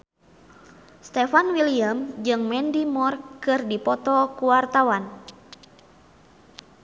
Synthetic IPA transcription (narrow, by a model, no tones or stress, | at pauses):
st̪ɛfanwiliamd͡ʒɨŋmɛndimɔrkɨrdipɔt̪ɔkuwart̪awan